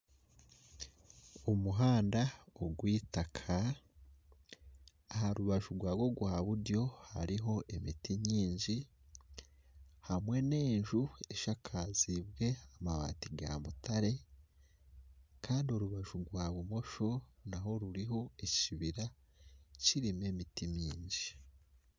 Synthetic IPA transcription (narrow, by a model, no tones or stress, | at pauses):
umuɦaːndaoɡwiːtakʰa | haɾuβaʒuɾɡwaːɡo̞ɡuhaβudjo̞ha̰ɾiɦo̞ʔe̞mitiɲiːɲd͡ʒi | hamwe̞ne̞ːɲʒue̞ʃakʰazib̚ɡe̞amaβa̰ːtiɡa̰mutʰaɾe̞ | kʰaːndio̞ɾuβaʒuɡwaːβumo̞ʃo̞naɦo̞ɾuɾiɦo̞eciβiɾa | t͡ʃiɾime̞ːmitimiːɲɟi